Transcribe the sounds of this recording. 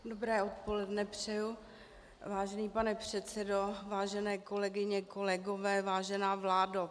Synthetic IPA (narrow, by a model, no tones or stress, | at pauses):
dobɾɛːot̪̚po̞lɛdnɛpr̥ɛju | vaːʒɛniːpanɛpr̥ɛt̪t͡sɛdovaːʒɛnɛːko̞lɛɡɪɲɛko̞lɛɡovɛːvaːʒɛnaːvlaːda